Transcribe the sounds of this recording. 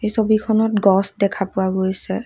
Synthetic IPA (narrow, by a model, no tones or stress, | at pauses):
ejsobikʰɔnɔt̚ɡɔsdɛkʰapʊwaɡojsɛ